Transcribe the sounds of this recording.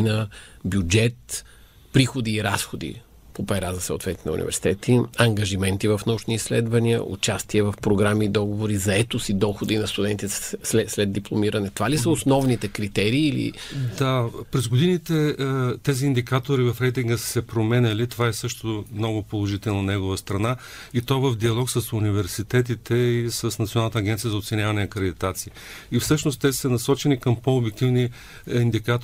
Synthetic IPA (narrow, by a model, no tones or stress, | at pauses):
nɐ | bʲjud͡ʒɛt̪ | pɾixod̪iːɾasxod̪ḭ | popɛɾazɐsə̰ʊ̰t̪vɛt̪inɐ̰ṵnḭvɛ̰ɾsi̥t̪ɛt̪iɐŋɡɐʒimɛnt̪ivɐfnɐut͡ʃniːslɛd̪vɐniə̰ʔṵt͡ʃast̪iɛvɐfpɾoɡɾamiːd̪ɔɡovoɾizɐɛt̪osid̪ɔxod̪inɐst̪ud̪ɛnt̪isɛslɛd̪̚d̪ːiplˠomiɾɐnɛt̪ovalisəosnɔvnit̪ɛkɾit̪ɛɾiːlḭd̪apɾɛzɡod̪init̪ɛt̪ɛziːnd̪ikat̪oɾivɐfɾɛjt̪̬iŋɡəssɛpɾomɛnʲəlit̪ovaɛsɤʃt̪omnɔɡʊpolˠoʒit̪ɛlˠnonɛɡovəst̪ɾɐna | it̪ɔvəvd̪iɐlˠɔksəsunivɛɾsit̪ɛt̪̬it̪ʰɛisəsnɐt̪ionanət̪əːɡɛnt̪sijəzot̪sɛnʲjavɐnɛɐkɾɛd̪it̪at̪sii | ifsɤʃnost̪ːɛsənɐsɔt͡ʃɛnikəmpoːbjɛk̚t̪ivni | ind̪ikat̪